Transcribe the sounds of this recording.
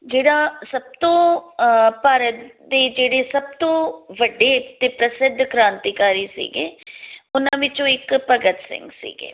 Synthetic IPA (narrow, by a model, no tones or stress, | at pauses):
d͡ʒeːɽaːsəb̚t̪õː | paːɾət̪d̪eːd͡ʒeːɽeːsəb̚t̪õːʋəɖːeːt̪eːpɾəsɪd̪ʱːkɾãːnt̪iːkaːɾiːsḭːɡḛːʊnãːʋɪt͡ʃõːɪkpəɡət̪sɪ̰̃ŋɡsḭːɡḛː